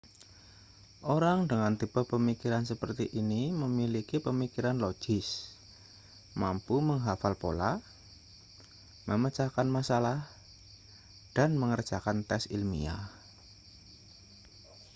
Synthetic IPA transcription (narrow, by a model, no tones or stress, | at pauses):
ʔoɾaŋdəŋant̪ib̥ə̤pəmikiɾansəpərt̪iʔiniməmilikipəmikiɾanlo̥d͡ʒ̥ɪs | mampuməŋɦafalpo̰la | məmət͡ʃakanmasalah | d̥anməŋər̥ʒ̥akant̪ɛsḭlmḭa̰